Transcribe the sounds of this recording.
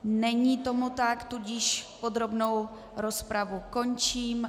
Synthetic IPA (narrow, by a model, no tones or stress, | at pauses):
nɛɲit̪o̞mut̪akt̪uɟɪʃpod̪ɾo̞bno̞w | ɾo̞spɾavuko̞ɲt͡ʃiːm